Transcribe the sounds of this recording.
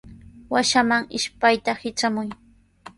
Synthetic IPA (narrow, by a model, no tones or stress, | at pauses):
waʃamaŋɪʃpajt̪ahɪt͡ʃamʊj